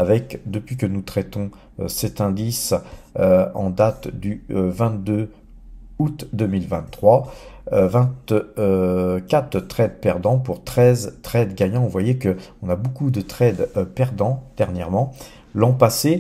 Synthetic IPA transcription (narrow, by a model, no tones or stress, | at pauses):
avɛkd̪əpɥikənut̪χɛt̪ɔ̃ | ø̰sɛt̪ɛ̃d̪is | øɑ̰̃d̪at̪d̪yvɛ̃t̪̚d̪ø | ut̪d̪əmilvɛ̃t̪ːχwa | vɛ̃t̪ | kat̪t̪χɛd̪pɛʁd̪ɑ̃puʁt̪χɛzt̪χɛd̪ɡaɲɑ̃vwajɛkəɔ̃nabokud̪ət̪χɛd̪pɛʁd̪ɑ̃d̪̥ɛʁnjɛʁmɑ̃ | lɑ̃pase